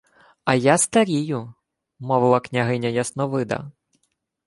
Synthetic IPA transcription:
ɐjast̪ɐɾʲijʊ | mɔʋɪlˠɐknʲɐɦɪnʲɐjɐsnɔʋɪd̪ɐ̰

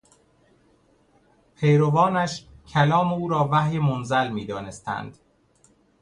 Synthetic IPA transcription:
pʰejɾovɒːnæʃcʰælɒːmeuːɾɒːvæhjemonzælmiːd̪ɒːne̞st̪ʰæ̰nd̪̥

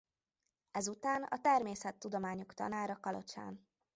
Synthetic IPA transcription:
ɛzut̪aːnɒ̰t̪ɛrmeːsɛt̪ːud̪o̞maːɲo̞kt̪ɒ̰naːɾɒkɒlo̞̰t͡ʃa̰ːn

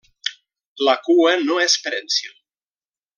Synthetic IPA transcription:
lakuənoɛspeɾensjo

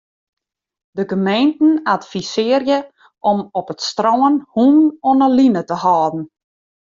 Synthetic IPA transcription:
dəɡəmejntn̩atfisɪərjə | ʔɔmɔpətstrɔːənhunnɔnəlinətəhɔːdn̩

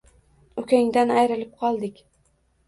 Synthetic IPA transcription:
ɵkʲʰaŋd̪anajɾɪlɪp̚qʰɒlˠd̪ɪkʲ

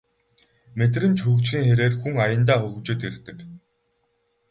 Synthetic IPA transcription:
met̪rɘ̆nt͡ɕxɵkt͡ɕxʲiːŋxeɾeːrxuŋajə̆nt̪aːxɵɣɵ̆kt͡ɕʊːt̪ert̪ɘ̆k

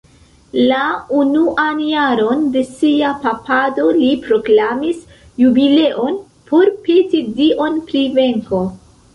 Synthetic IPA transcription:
launuʔanjaɾo̞nde̞siapapado̞lipɾo̞klamis | jubile̞ʔo̞n | pʰo̞ɾpetidiʔo̞npɾive̞ŋko̞

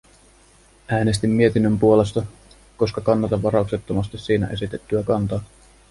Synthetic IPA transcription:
æːne̞st̪imːie̞t̪inːømpuo̞le̞st̪ɑ | ko̞skɑkɑnːɑt̪ɑʋɑɾɑukset̪ːomɑst̪isiːnæ̰ʔe̞sit̪e̞t̪ːyækɑnt̪ɑː

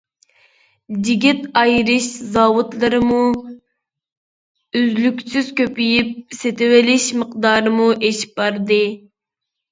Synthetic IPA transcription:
d͡ʒiɡʲit̪ɑjɾɨʃzɑːwut̪lˠɨɾɨmu | yzlykʲsyz̥kʲøpyjip̚set̪ɪwɪlɪʃməq̚d̪ɑːɾɨmuʔeʃi̥p̚bɑɾd̪ɨ

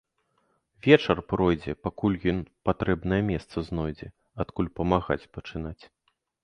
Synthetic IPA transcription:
vʲɛt͡ʂɐrpɾɔjd͡zʲɛpakulʲjɔnpat̪ɾɛbnɐjɛmʲɛst̪sɐznɔjd͡zʲɛ | at̪kulʲpɐmaɣa̰t͡sʲpɐt͡ʂɨnat͡sʲ

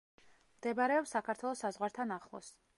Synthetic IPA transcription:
md̪̥ɛbaɾɛɔpsakʰaɾt̪ʰwɛlˠɔsazʁwaɾt̪ʰanaχlˠɔ̰s

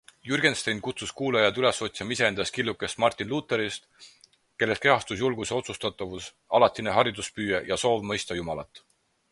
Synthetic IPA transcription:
jurɡe̞nst̪ejnkut̪suskuːlejɑd̪̥yle̞so̞t̪siɑmise̞end̪̥ɑskilːukːˑe̞st̪mɑrt̪ːˑinlut̪ːˑe̞ɾist̪ | ke̞lːe̞st̪ke̞ɦɑst̪usjulɡuseo̞t̪sust̪ɑt̪ːˑɑvus | ɑlɑt̪ˑːineɦɑɾid̪uspyːjejɑso̞ːvmɤ̞jst̪ɑjumɑlɑt̪ːˑ

